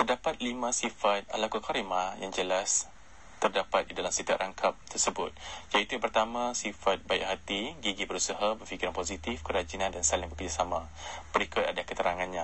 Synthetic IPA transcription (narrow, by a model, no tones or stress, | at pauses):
t̪ərdapat̪̚limãsifat̪̚a̰lakukʰaɾimajaŋd͡ʒəlas | t̪ərdapat̪̚didalamsit̪ua̰ʔrʔaŋkʰap̚t̪ərsəbʊt̪̚jait̪ujãpərt̪amãsifat̪̚baḭʔɦat̪iɡiɡibəɾusaɦabərfikiɾanpozit̪ifkəɾad͡ʒinãndansalɪŋbəkərd͡ʒasamã | bəɾikʊt̪adakət̪əɾaŋãnɲã